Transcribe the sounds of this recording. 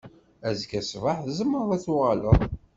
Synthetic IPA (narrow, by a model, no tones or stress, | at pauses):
æzkæsvaħθzəmːəɾˤæθʊʁaləðˤ